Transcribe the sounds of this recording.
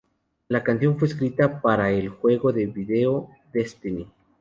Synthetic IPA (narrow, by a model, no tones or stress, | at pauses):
lakanθjo̞ɱfweskɾit̪apaɾaelxwe̞ɣo̞ðe̞βiðeo | d̪est̪ini